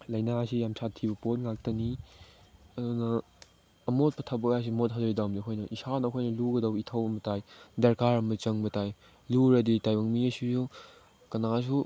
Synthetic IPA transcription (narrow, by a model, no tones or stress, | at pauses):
lɐjnasijamsʰatʰːibɐpot̚ŋak̚tɐni | ɐdunɐː | mot̚pɐtʰɐbɐkajs̬imot̚ɦazɐɾidawmdiɐkʰojnɐʔisanɐɐkʰojnɐluɡɐdɐwitʰawɐmbɐtajdɐɾkaɾɐmbɐt͡ʃɐŋbɐtaj | luɾɐditajbɐŋmiɐsuju | kɐnas̬u